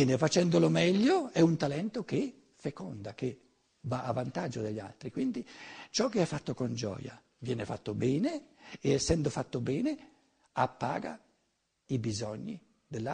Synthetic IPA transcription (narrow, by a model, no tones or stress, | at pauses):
ɛːnefat͡ʃɛnd̪olomɛʎːoɛunt̪alɛnt̪ok̟e | fekɔ̰nd̪ake | vaːvant̪ad͡ʒːod̪eʎːa̰lt̪ɾikwind̪it͡ʃɔkːeɛfːat̪ːokond͡ʒɔ̰ːja̰ | vjɛːnefat̪ːobɛːneːɛsːɛnd̪ofat̪ːobɛːne | apːa̰ːɡa̰ | ibizɔɲːi | d̪elːa